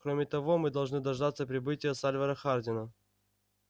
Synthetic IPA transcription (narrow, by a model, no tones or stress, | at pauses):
kɾomʲɪt̪ɐvo̞mɨd̪ɐlˠʐnɨd̪ɐʐd̪at̪səpɾʲɪbɨtʲɪjəsalʲvəɾəxardʲɪnə